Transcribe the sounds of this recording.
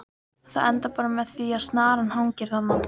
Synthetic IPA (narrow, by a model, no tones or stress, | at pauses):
θaðɛnt̪apaːɾamɛðθviaðst̪naːɾanhawɲcɪɾ̥θanːa